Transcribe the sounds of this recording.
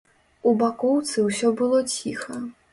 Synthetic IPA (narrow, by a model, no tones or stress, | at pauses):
ubakɔwt̪sɨwsʲɔbɨlˠɔt͡sʲixɐ